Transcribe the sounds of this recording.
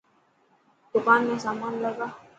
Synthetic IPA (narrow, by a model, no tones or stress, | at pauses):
d̪̥ʊkaːnmẽsaːmaːnləɡaː